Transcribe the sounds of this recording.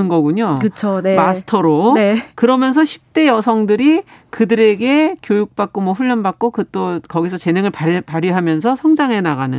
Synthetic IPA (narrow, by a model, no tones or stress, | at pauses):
ɯnɡʌɡuɲokɯt͡ɕʰonemasʰɯ̥tʰʌɾonekɯɾʌmjʌns̬ʰʌɕʰi̥p̚t͈e̞jʌsʰʌŋdɯɾi | kɯdɯɾe̞ɡe̞kjojuk̚p͈ak̚k͈omwʌɸuɭːʌnbak̚k͈okɯt͈okʌɡisʰʌt͡ɕe̞neŋɯɭpapaɾiɦamjʌns̬ʰʌsʰʌŋd͡ʑaŋɦe̞naɣanɯ̰n